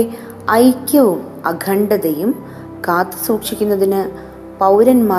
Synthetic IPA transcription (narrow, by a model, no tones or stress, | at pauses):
ɐjkʲːuʋum | ɐ̰ɡʱɐɳɖɐðejum | kaːt̪ːɨ̥suːkʂikʲːunːɐðinɨ | pɐwɾɐnmaː